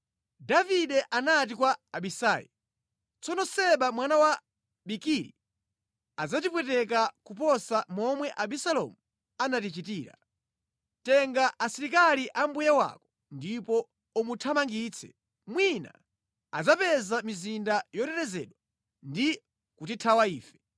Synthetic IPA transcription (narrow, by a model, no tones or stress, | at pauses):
daviɗɛʔanat̬ikwaaɓisaːjḭ | t͡sɔnɔsɛɓamwanawa | ɓikiɾḭ | ad͡zatipwɛt̬ɛkakup̬ɔsamɔmwɛʔaɓisalɔ̰mu | anatit͡ʃitiːɾa̰ | tɛŋɡaʔasiɾikaliʔambujawa̰kɔ̥ | ndipɔ | umutʰamaŋɡiːt͡sʰɛ̰ | mwina̰ | a̰d͡zapɛzamizindajɔtɛɾɛzɛ̰ɗwa | ndi | kutitʰawaiːfɛ̥